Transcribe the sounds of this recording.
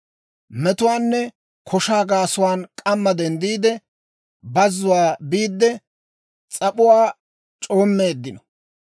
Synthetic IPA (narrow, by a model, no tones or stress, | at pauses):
mɛt̪ʊwaːnːɛ | kʰɔʃaːɡaːsʊwaːnkʼɐmːɐd̪ɛnd̪iːd̪ɛ | bɐzːʊwaːbiːd̪ːɛ | t͡sʼɐpʊwaː | t͡ʃʼo̞ːmːeːd̪ːɪnɔ̥